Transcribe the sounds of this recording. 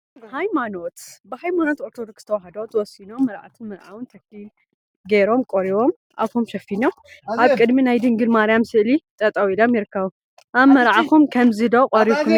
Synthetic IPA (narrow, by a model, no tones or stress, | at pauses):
hajmano̞t̪bɨhajmano̞t̪oɾt̪ʰod̪oksɨt̪ʰɐwɐɦɐd̪ɐwt̪ʰwɔsinomɐɾʕa̰t̪ʰɨnmɐɾʕa̰wɨnt̪ʰɐklil | ɡeɾo̞mkʼoɾiwom | ʔa̰βkumʃɐfino | ʔaβkʼɨd̪minajd̪ɨŋɡɨlmaɾijamsɨʔlit̪ʼɐt̪ʼɐwilomjiɾɨkʰːɐβu | ʔaβmɐɾʕaxumkʰɐmzɨd̪okʼoɾikʰːum